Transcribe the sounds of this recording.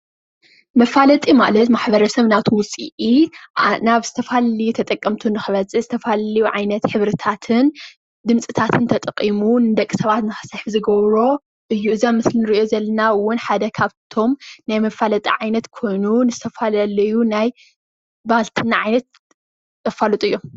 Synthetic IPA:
mɐfalɐt̪ʼima̰lɐt̪maħbɐɾɐsɐβnaβt̪ʰuwʊsʼḭʔi | naβz̥ɨt̪ʰɐfalɐlijut̪ʰɐt̪ʼɐkʼːɐmt̪ʰunɨxɨβɐt͡sʼɨzɨt̪ʰɐfalɐlijuʕajnɐt̪ħɨβɾɨt̪ʰat̪ʰɨn | d̪ɨmt͡sʼɨt̪ʰat̪ʰɨnt̪ʰɐt̪ʼɐqʼːimunɨd̪ɐkʼːi̥sɐβat̪nɨxɐ̥sɐħzɨɡɐβɾo̞ | ʔɨjːuɨzamɨslinɨɾiʔo̞zɐlɐnawʊnħad̪ɐkʰaβt̪ʰo̞mnajmɐfalɐt̪ʼḭʕajnɐt̪kʰo̞jnunɨzɨt̪ʰɐfalɐlɐjunaj | balt̪ʰɨnːaʕajnɐt̪̚ːʼ | ɐfalut̪ʼuɨjːo̞m

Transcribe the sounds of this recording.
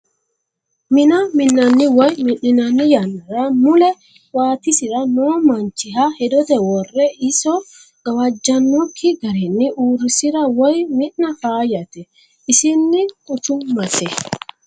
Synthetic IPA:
mɪnɐmɪnːɐnːɪwɔjmɪnːɪnɐnːɪjanːɐɾɐmʊlɛ | waːt̪ɪsɪɾɐnoːmɐnt͡ʃːɪɦɐhɛd̪ɔt̪ɛwɔrːɛɪsɔ | ɡ̥ɐwɐd͡ʒːɐnːɔkʰːɪɡɐɾɛnːɪʔuːɾɪsɪɾɐwɔjmɪʔnɐfaːjɐt̪ɛ | ɪsɪnːɪkʼʊt͡ʃʊmɐsɛ

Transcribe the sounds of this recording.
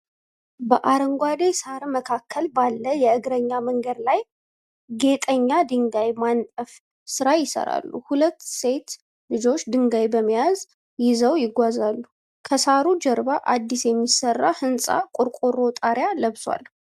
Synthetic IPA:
bəʔaɾəŋɡʷad̪esaɾməkʰakʰːəlbalːəjɛɨɡɾəɲːaməŋɡəd̪laj | ɡe̞t̪ʼəɲːad̪ɨŋɡajmant̪ʼəf | sɨɾajɪsə̰ɾa̰lːṵhulət̪ːse̞t̪ | lɨd͡ʒo̞t͡ʃːd̪ɨŋɡajbəmːijaz | jɪzəwjɪɡʷazalːu | kʰəsaɾud͡ʒəɾbaʔad̪ːisjɛmːisərːa̰hɨnsʼa̰kʼʊɾkʼoɾot̪ʼaɾjaləβswa̰l

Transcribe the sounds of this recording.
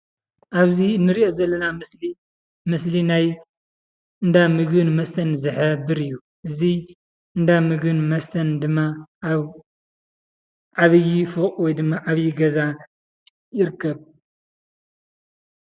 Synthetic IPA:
ʔaβziɨnːɨɾiʔo̞zɐlːɐnamɨsli | mɨslinaj | ɨnd̪amɨɡɨnmɐst̪ʰɐnzɨħɨbɨɾɨjːu | ʔɨzi | ɨnd̪amɨɡɨnmɐst̪ʰɐnd̪ɨmːaβ | ʕaβɨjːifɨχʼwɔjd̪ɨmːaʔaβjːiɡɐza | jɪɾkʰːɐβ

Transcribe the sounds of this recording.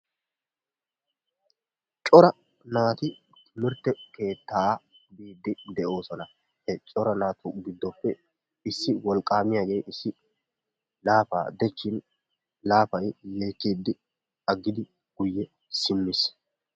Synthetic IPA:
t͡ʃʼɔɾɐ | naːt̪ɪ | t̪ʰɪmɪɾt̪ːɛke̞ːt̪ːaː | biːd̪ːɪd̪ɛʔo̞ːsɔnɐ | hɛt͡ʃʼɔɾɐnaːt̪ʰʊɡɪd̪ːɔpːɛ | ɪsːɪwɔlkʼːaːmɪjaːɡe̞jʔɪsːɪ | laːfa̰ːd̪ɛt͡ʃːɪn | laːfɐjje̞ːkːiːd̪ːɪ | ɐɡːɪd̪ɪ | ɡ̥ʊjːɛ | sɪmːɪs

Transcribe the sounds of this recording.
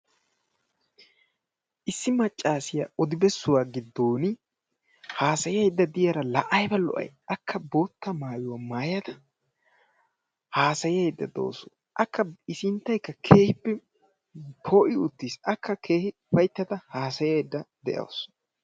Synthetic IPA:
ʔɪsːɪmɐt͡ʃʼːaːsɪja̰ːʔɔd̪ɪbɛsːʊwaːɡɪd̪ːoːn | haːsɐjɪɐjd̪ːɐd̪ɪjɐɾɐlɐʔɐjbɐlɔ̰ʔɐ̰jɐkʰːɐboːt̪ːɐmaːjʊwɐmaːjɐd̪ɐ | haːsɐjɪjɐjd̪ːɐd̪o̞̰ːsʊ | ʔɐkːɐɪsɪnt̪ːɐjkːɐkʰe̞ːhɪpːɛ | pʰoːʔɪʊt̪ːisɐkːɐkʰe̞ːhɪ | pɐjt̪ːɐt̪ɐhaːsɐjɐjd̪ːɐd̪ɛʔɐ̰ws

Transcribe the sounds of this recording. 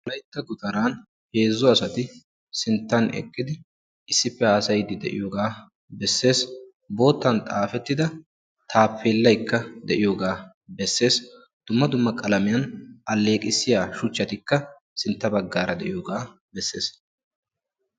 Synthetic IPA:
ɐlɐjt̪ːɐɡʊt̪ʼɐɾaːn | he̞ːzːɔɐsɐt̪ɪ | sɪnt̪ːɐnɛ̰kʼːɪd̪ɪ | ɪsːɪpːɛhaːsɐjd̪ɪd̪ɛʔɪ̰joːɡaː | bɛsːe̞ːs | bo̞ːt̪ːɐnt̪ʼaːfɛt̪ːɪd̪ɐ | t̪ʰaːpʰːeːlːɐjkːɐd̪ɛʔɪjoːɡaː | bɛsːe̞ːs | d̪̥ʊmːɐd̪ʊmːɐkʼɐlɐmɪjɐnʔɐlːe̞ːkʼɪsːɪjaːʃʊt͡ʃːɐt̪ɪkːɐ | sɪnt̪ːɐbɐɡːaːɾɐd̪ɛ̰ʔɪjoːɡaː | bɛsːe̞ːs

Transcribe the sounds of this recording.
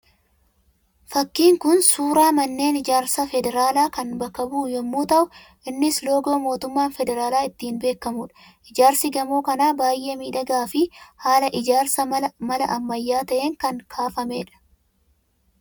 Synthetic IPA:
fɐkːiːŋkʊnsuːɾaːmɐnːe̞ːnɪd͡ʒaːɾsɐfɛd̪ɛɾaːlaːkɐnbɐkːɐbuːjɛmːuːt̪ɐʔʊ | ʔɪnːɪslo̞ːɡo̞ːmo̞ːt̪ʊmːaːnfɛd̪ɛɾaːlaːɪt̪ːiːnbe̞ːkːɐmʊᶑɐ̥ | ʔɪd͡ʒaːɾsɪɡɐmo̞ːkɐnaːbaːjʔemiːᶑɐɡaːfɪhaːlɐʔɪd͡ʒaːɾsɐmɐmɐlɐʔɐmːɐjːaːt̪ɐʔe̞ːŋkɐŋkʰaːfɐmeːᶑɐ̥

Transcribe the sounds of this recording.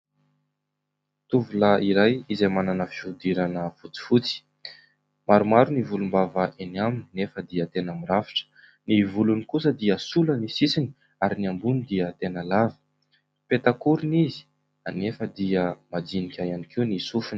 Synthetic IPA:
t̪uvulaiɾajizejmananəfiud̪iɾanəfut͡si̥fut͡si̥ | maɾumaɾunivulumbavəʔeniamininefəd̪iət̪enəmiɾafi̥ʈ͡ʂə̥ | nivulunikusəd̪iəsulənisisini̥ | aɾiniambunid̪iət̪enəlavə̥ | pet̪akuɾinizi̥ | anefəd̪iəmad͡zinikʲajanikinisufun

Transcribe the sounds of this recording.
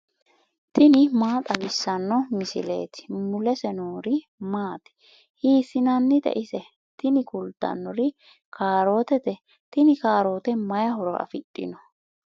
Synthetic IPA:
t̪ɪnɪmaːt̪ʼɐbɪsːɐnːɔmɪsɪ̰le̞̰ːt̪ɪ̥mʊlɛsɛnoːɾɪ | maːt̪ɪ̥ | hiːsɪnɐnːɪd̪ɛ̰ʔɪsɛ | t̪ɪnɪkʊld̪̥ɐ̰nːɔɾɪ | kʰaːɾo̞ːt̪ɛt̪ɛ | t̪ɪnɪkaːɾo̞ːt̪ɛmɐjɐhɔɾɔɐ̰fɪtʼːɪ̰nɔ

